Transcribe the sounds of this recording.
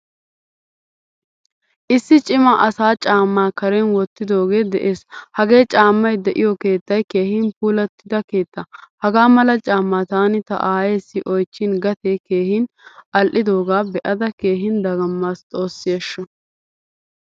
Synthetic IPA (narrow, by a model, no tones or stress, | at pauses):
ʔɪsːɪt͡ʃʼɪmɐʔɐsaːt͡ʃʼaːmːaːkɐɾɛnwɔt̪ːɪd̪o̞ːɡe̞ːd̪ɛʔeːshɐɡe̞ːt͡ʃʼaːmːɐjd̪ɛʔɪjɔke̞ːt̪ːɐjke̞ːhɪnpuːlɐt̪ːɪd̪ɐke̞ːt̪ːɐhɐɡaːmɐlɐt͡ʃʼaːmːaːt̪aːnɪt̪ɐ̰ʔaːjeːsːɪʔɔjt͡ʃːɪnɡɐt̪eːke̞ːhɪn | ʔɐlʔɪd̪o̞ːɡaːbɛʔɐd̪ɐke̞ːɦɪnd̪ɐɡɐmːaːst̪ʼo̞ːsːɪjeːʃːɔ